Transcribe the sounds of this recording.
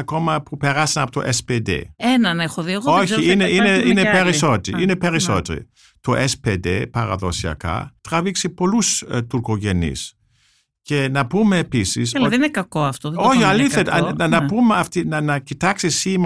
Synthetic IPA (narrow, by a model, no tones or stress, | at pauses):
ɐko̞mɐpupe̞ɾɐsɐnɐpot̪oʔesped̪ḛenɐnexoðiɐɣoçiineineinepeɾiso̞t̪iʔinepe̞ɾiso̞t̪eɾḭ | t̪oʔesped̪ḛpɐɾɐ̰ðo̞siɐ̰kɐ̰t̪ɾɐviksipo̞lust̪uɾkoʝe̞nḭs | ce̞nɐpumeːpisḭselɐoðiinekɐkoɐft̪oðçiɐliθet̪ɐnɐpumeɐft̪inɐnɐcit̪ɐksisim